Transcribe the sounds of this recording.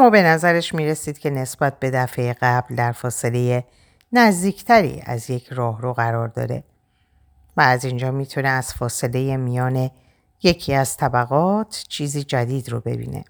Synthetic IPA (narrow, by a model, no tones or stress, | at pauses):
mɒːbe̞næzæɾeʃmiːɾe̞siːd̪̥cʰe̞ne̞sb̥æt̪̚be̞d̪æfe̞jeɣæbld̪æɾfɒːse̞le̞je | næzd̪iːcʰt̪ʰæɾḭːæ̰zje̞cʰrɒːɦɾoɣæɾɒːɾd̪ɒ̰ːɾe̞̰ | væːzind͡ʒɒːmiːt̪ʰune̞æz̥fɒːse̞le̞je̞mijɒːne̞ | je̞cʰiːæz̥t̪ʰæbæɣɒːt̪ʰt͡ʃʰiːziːd͡ʒæd̪iːd̪ro̰be̞̰bḭːne̞̰